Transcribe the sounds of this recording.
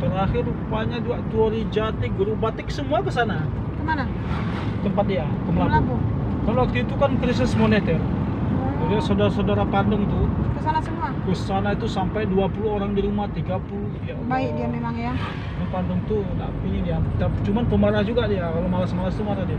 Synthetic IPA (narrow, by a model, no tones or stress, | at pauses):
t̪əɾaxɪrupaɲaduaʔt̪uoɾid͡ʒat̪iɡəɾubat̪ɪksəmuakəsana | kəmana | t̪əmpat̪̚dija | kəməlalabu | kalowak̚t̪uit̪ukankɾis̬ɪsmonet̪ɛr | d͡ʒadiasadaɾasaudaɾapandəŋt̪ukəsanasəmuakəsanait̪usampajduapuluoɾaŋdiɾumaht̪iɡapulujabaidiamemaŋja | napandəŋt̪una̰ʔpiɲidiat̪apt͡ʃumanpəmaɾahd͡ʒuɡadiakalomalasəmalast̪umaɾahdia